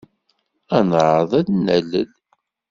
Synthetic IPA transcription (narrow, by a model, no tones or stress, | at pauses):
ænʕəðˤælnæləl